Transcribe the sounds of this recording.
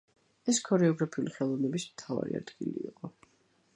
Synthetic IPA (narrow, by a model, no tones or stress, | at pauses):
ɛskʰɔɾɛɔɡɾapʰiuliχɛlˠɔvnɛbismt̪ʰava̰ɾia̰d̪ɡiliːqʼɔ